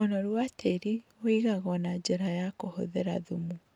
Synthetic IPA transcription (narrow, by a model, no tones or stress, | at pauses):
onɔɾwatʰeɾioiɣaɣɔnad͡ʑeɾajakoho̰ðeɾaðumu